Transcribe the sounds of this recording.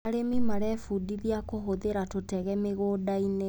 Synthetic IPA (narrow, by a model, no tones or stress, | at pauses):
aɾemimaɾɛfudiðiakoɦoðeɾatotɛɣɛmeɣoːdaine